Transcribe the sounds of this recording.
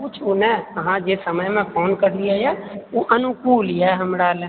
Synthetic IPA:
put͡ʃʰunẽəɦãd͡ʒesəməjmẽpʰoːnkəɾliajɛoʔənʊkuːlijɛɦəmɾal

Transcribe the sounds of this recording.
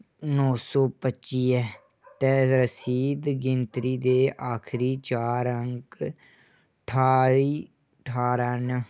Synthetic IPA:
nɔːsɔːpətːʃiːɛː | t̪ɛːɾəsiːd̪ɡɪnt̪ɾiːd̪eːʔaːkʰɾiːt͡ʃaːɾəŋk | ʈʰaːiː | ʈʰaːɾən

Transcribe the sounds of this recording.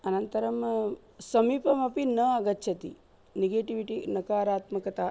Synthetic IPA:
ɐnɐnt̪ɐɾɐm | sɐmiːpɐmɐpinɐɐɡɐtːʃʰɐt̪ḭ | neɡeːʈiʋiʈinɐkaːɾaːt̪mɐkɐt̪a

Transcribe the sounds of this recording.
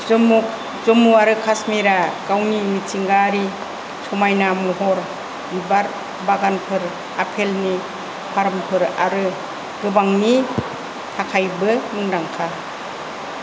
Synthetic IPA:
mu | zɔmuaɾɯkʰasmiɾaɡawnimitiŋɡaɾi | sɔmajnamuɦɔɾ | bibaɾ | baɡanpʰɯɾ | apʰelni | pʰaɾmpʰɯɾa̰ɾɯ | ɡɯbaŋni | tʰakʰajbɯmɯŋdaŋkʰa

